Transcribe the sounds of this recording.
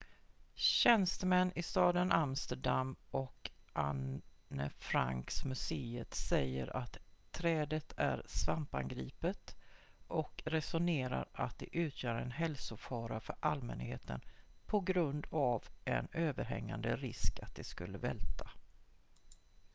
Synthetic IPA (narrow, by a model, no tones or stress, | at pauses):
ɕɛnst̪əmɛnːɪst̪ɑːd̪ənʔamst̪əɖamːɔkʔanː | əfɾaŋksmɵseːət̪sɛjːəɾʔat̪ʰː | ɾɛːd̪ət̪ʰæɾsvampanɡɾiːpət̪ | ʔɔkɾɛsʊneːɾa̰ɾat̪̚d̪ɛʔʉ̟ːt̪ʰjœːɾɛnɦɛlsʊfɑːɾafœɾʔalmɛnheːt̪ʰənpʰɔɡɾɵnd̪avɛ̰nøːvəɾɦɛ̰ŋːand̪əɾɪskat̪̚d̪ɛskɵlːəvɛlt̪ʰa